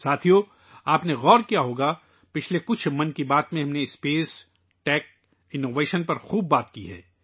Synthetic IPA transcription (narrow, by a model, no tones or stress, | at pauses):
saːt̪ʰijo | aːpneɣɔːɾkijaɦoːɡa | pɪt͡ʃʰlekʊt͡ʃʰmɐnkibaːt̪mẽɦɐmneɪspeːs | ʈɛːk̚ | ɪnoːʋeːʃənpɐɾxuːb̚ːaːt̪kiɦɛ̰ː